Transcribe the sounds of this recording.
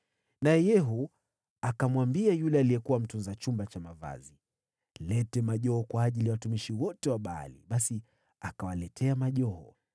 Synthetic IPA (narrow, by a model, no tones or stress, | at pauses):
naɛjɛɦu | akamwambiajulɛalijɛkuwam̩tunzat͡ʃumbat͡ʃamava̰zi | lɛtɛmaʄɔɔkwaːʄiliawatumiʃiwɔtɛwaɓaa̰lḭɓasi | akawalɛtʰɛamaʄɔɦɔ̰